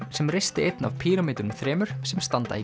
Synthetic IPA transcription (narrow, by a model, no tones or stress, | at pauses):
sɛmrejst̪ɪejt̪na̰vpʰiːɾamɪːt̪ʏɾʏmθɾɛːmʏɾ̥sɛmst̪ant̪a̰i